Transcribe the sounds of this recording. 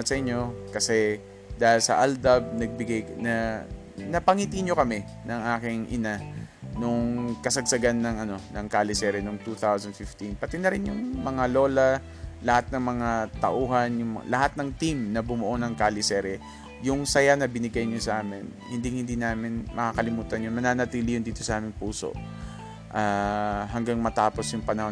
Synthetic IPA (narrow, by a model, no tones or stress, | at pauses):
t̪̚sɐʔɪɲːo̞kɐsɛ | d̪aːhɪlsɐ̰ʔald̪ɐb̚nɐɡ̚bɪɡajnɐ | nɐpɐŋit̪iɲo̞kɐmɛ | nɐŋʔaːkɪŋʔɪ̰nanoŋkɐsɐɡ̚sɐɡanːɐŋʔɐno̞nɐŋkaːlɪsɛɾɪnoŋt̪ut̪awsɐnd̪fɪft̪inpɐt̪inɐɾɪnjʊŋmɐŋalo̞ːlɐ | lɐhat̪̚nɐŋmɐŋat̪ɐʔuːɦɐnjʊŋmɐlɐhat̪̚nɐŋt̪imnɐbʊmʊʔonɐŋkaːlɪsɛɾɛ | jʊŋsɐjanɐbɪnɪɡajɲosɐʔaːmɪnhɪnd̪iŋhɪnd̪inaːmɪnmʔɐkaːkɐlɪmuːt̪ɐnjʊnmɐnaːnɐt̪iːlɪjʊnd̪iːt̪o̞sɐʔaːmɪŋpuːso̰ʔ | ʔaːɦɐŋɡaŋmɐt̪aːpo̞sjʊŋpɐnɐho